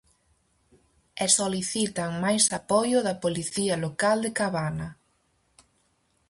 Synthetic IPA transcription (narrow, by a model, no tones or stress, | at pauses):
ɛsoliθit̪ɐŋmajsapɔjʊðɐpoliθiɐlokald̪ekaβanɐ